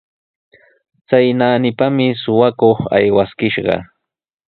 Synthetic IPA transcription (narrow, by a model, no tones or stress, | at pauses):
t͡sajnaːnɪpamɪsʊwakoχa̰jwaskɪʃɢɑ̰